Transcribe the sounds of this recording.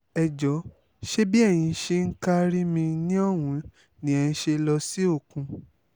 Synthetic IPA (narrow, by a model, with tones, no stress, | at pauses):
ɛ˨d͡ʒɔ˨˦ | ʃe˦bi˦ɛ˦˨j̃ĩ˧ʃe˧ŋ̩˦ka˦ɾi˦mĩ˧nĩ˦ɔ˦˨wũ˨˦ | nĩ˨ɛ˧n̩˧˦ʃe˧lɔ˧si˦o˦˨kũ˧